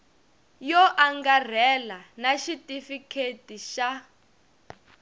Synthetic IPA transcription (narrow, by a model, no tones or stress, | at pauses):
jɔʔaŋɡar̤ɛlanaʃitʼifikʰetiʃa